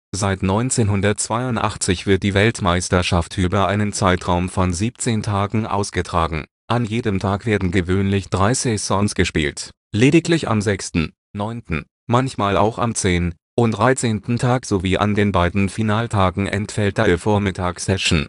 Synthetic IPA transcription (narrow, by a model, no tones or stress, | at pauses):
zaɪtnɔʏnt͡seːnɦʊndɐt̚t͡sv̥aɪʊntʔa̰χt͡sɪçv̥ɪɐt̚d̥iːvɛltmaɪstɐʃafthyːbɐʔaɪnənt͡saɪtʁ̥aʊmfɔnziːp̚t͡seːntʰaːɡŋ̩ʔa̰ʊsɡ̥ətʁ̥aːɡŋ̩ | ʔanjeːdəmtʰaːkv̥eːɐdn̩ɡəvøːnlɪçd̥ʁaɪsɪçsɔŋsɡ̥əʃpḭːlt | leːdɪklɪça̰mzɛkstn̩ | nɔʏntn̩ | mançmaːla̰ʊxa̰mt͡seːn | ʔʊntd̥ʁaɪt͡seːntn̩tʰaːkz̥oviːʔa̰ndeːnbaɪdn̩finaːltʰaːɡŋ̩ʔɛ̰ntfɛlt̚d̥afoːɐmɪtʰaːksɛʃn̩